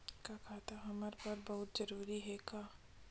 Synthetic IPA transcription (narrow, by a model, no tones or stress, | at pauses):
kakʰaːt̪ɐɦɐmaɾpɐɾbɐɦʊt̪zɐɾuːɾiɦɛkaː